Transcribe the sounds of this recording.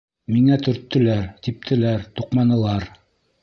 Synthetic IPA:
miŋæt̪ɵ̆ɾt̪ːɘ̆læɾt̪ip̚t̪ʰɘ̆læɾt̪uqmɑnɤ̆lˠɑɾ

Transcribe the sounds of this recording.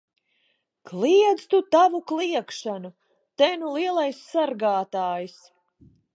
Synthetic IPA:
klˠiɛd̪zt̪ut̪avuklˠiɛkʃanu | t̪ɛnulˠiɛlˠajsːaɾɡaːt̪aːjis

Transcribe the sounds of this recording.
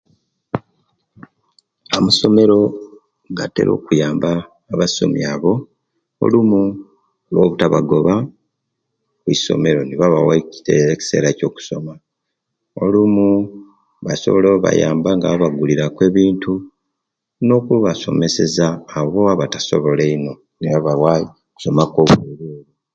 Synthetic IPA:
amuso̞me̞ɾo̞ | ɡate̞̰ɾo̞̰ːkujaːmbaː | βaso̞̰mjaːβo̞ | o̰lumu | lwo̞βutaβa̰ɡo̞βa | kuiso̞̰me̞ɾo̞niβaβawaiteeci̥se̞̰ːɾaco̞ːku̥so̞ma | olumu | βaso̞̰βo̞leβoβa̰jaːmbaŋɡaβaβaɡuliɾakwe̞ːβiːntu | no̞kuβaso̞̰me̞se̞zaːβo̞aβataso̞̰βo̞leino̞ | niβaβawa | ku̥so̞makoβeɾeβi

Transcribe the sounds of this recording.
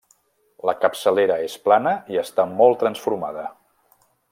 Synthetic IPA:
ləkəpsəleɾəesplanəiəst̪amɔlˠt̪ɾənsfuɾmaðə

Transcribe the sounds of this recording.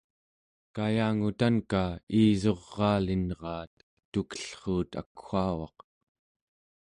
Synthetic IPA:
kajaːŋut̪ankaiːzo̞ʁːɑːlinʁɑːt̪ | t̪ːukə̥ɬχuːt̪a̰kxaːwɑ̰q

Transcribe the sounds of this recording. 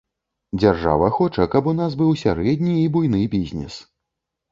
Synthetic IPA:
d͡zʲarʐa̰vɐxɔt͡ʂɐkɐpun̪asbɨwsʲaɾɛd̪ʲnʲiːbujnɨjbʲizʲnʲɛ̰s

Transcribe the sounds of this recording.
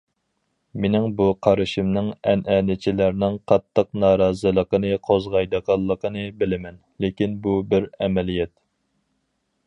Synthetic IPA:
menɪŋbuqʰɑɾɨʃɪmnɨŋɛnʔɛnɪt͡ʃʰilæɾnɪŋqʰɑt̪ʰːəq̚nɑːɾɑːzɨlˠəqənɨqʰozʁɑjd̪əqʰɑlˠːəqənɨbɪlɪmɛn | lekʲinbubɪɾɛmɛlijɛt̪

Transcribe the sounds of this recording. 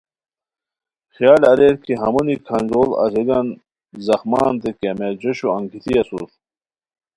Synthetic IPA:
xjaːlɐɾeːɾkʰiɦɐmunikʰɐnzoːlɐ̰ziɡɐn | zɐxmaːnt̪ekemed͡ʑɐɕuɐ̃ŋkʰit̪iɐsṵt̪

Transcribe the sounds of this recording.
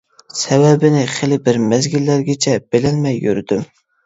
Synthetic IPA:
sɛbɛbɪnɪχelɪbɪɾmæzɡʲilːæɾɡʲɪt͡ʃʰɛb̥elɛnmɛjːyɾd̪̥ym

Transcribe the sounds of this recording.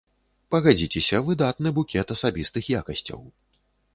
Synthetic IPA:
pɐɣad͡zʲit͡sʲɛsʲɐvɨd̪at̪nɨbukʲɛt̪ɐsabʲist̪ɨxjakɐsʲt͡sʲɐ̰w

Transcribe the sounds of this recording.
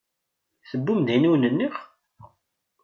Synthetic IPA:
θəbːumd̪inuwnənːiχ

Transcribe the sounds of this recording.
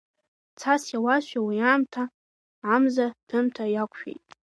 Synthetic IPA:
t͡sʰasjawaʃʷᶣawiaːmtʰa | amzatʰɨmtʰajakʷʰʼʃᶣḛjtʼ

